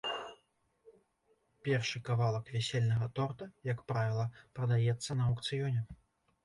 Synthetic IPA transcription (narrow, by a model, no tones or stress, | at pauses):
pʲɛrʂɨkavalˠɐkvʲɛsʲelʲnɐɣɐt̪ɔrt̪ɐjɐkpɾavʲilˠɐpɾɐd̪ajɛt̪sːɐnɐɐwkt̪sɨjɔnʲɛ